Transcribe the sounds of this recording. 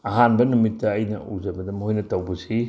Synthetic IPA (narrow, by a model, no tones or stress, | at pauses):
ɐɦanbɐnumitːɐːjnɐ̰ṵzɐbɐdɐmhojnɐtɐwbɐsi